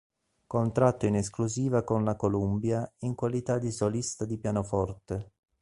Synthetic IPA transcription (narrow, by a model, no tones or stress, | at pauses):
kont̪ɾat̪ːoineskluziːvakonlakolumbjaiŋkwalit̪ad̪isolist̪ad̪ipjanofɔrt̪e